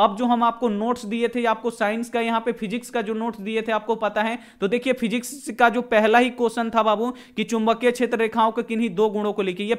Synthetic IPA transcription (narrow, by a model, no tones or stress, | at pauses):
ɐb̚d͡ʒoːɦɐmaːp̚konoːʈsd̪iet̪ʰeaːp̚kosaːɪnskajɐɦãpepʰɪd͡ʒɪkskad͡ʒoːnoːʈsd̪iet̪ʰeaːp̚kopɐt̪aɦɛ | t̪od̪eːkʰiepʰɪd͡ʒɪkskad͡ʒoːpɛɦlaɦikoːsənt̪ʰabaːbu | kit͡ʃʊ̃mbəkːet͡ʃʰeːt̪ɾəɾeːkʰaːõkekɪnɦid̪oːɡʊ̃ɽ̃õkolekʰeije